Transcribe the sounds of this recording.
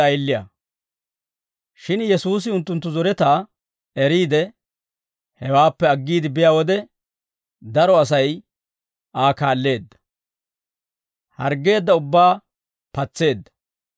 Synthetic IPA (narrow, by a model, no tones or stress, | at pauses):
ɐjlːɪja̰ | ʃɪnjɛsuːs̬ɪʊnt̪ːʊnt̪ːʊzɔɾɛt̪aː | ɛɾiːd̪ɛ | hɛwaːpːɛɐɡːiːd̪ɪbɪjaːwɔd̪ɛ | d̪ɐɾɔɐs̬ɐj | aːkaːlːe̞ːd̪ːɐ̥ | hɐ̰ɾɡːe̞ːd̪ːɐʊbːaː | pɐt͡sːe̞ːd̪ːɐ̥